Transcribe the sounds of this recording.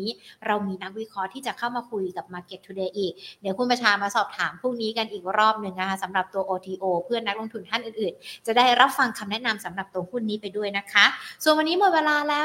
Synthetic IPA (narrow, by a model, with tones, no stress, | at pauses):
iː˦˥ɾa˧wmiː˧na˦˥k̚wi˦˥kʰɾɔ˦˥t̪ʰiː˥˩t͡ɕa˨˩kʰa˥˩wmaː˧kʰu˧jka˨˩p̚maː˧ke˨˩t̪ʰːuː˧deː˧ʔiː˨˩k̚nɯ˦kʰu˥˩npɾa˧t͡ɕʰaː˧maː˧sɔː˨˩p̚t̪ʰaː˩˦mpʰuː˥˩ŋniː˦˥ka˧nʔiː˨˩k̚ɾɔː˥˩p̚nɯ˨˩ŋʔa˧˥˩sa˩˦mɾa˨˩p̚t̪u˧ɐʔoː˧t̪ʰiː˧ʔoː˧pʰɯ˥˩əna˦˥k̚lo˧ŋt̪ʰu˧nt̪ʰa˥˩nʔɯː˨˩nʔɯː˨˩nt͡ɕa˨˩daː˥˩jɾa˦˥p̚fa˧ŋkʰa˧mnɛ˦˥na˧msa˨˩˦mɾa˨˩p̚t̪u˧əhu˥˩nːiː˦˥pa˧jdu˥˩əjna˦˥kʰa˦˥su˨˩ənwa˧nːiː˦˥mɔ˨˩weː˧laː˧lɛː˦˥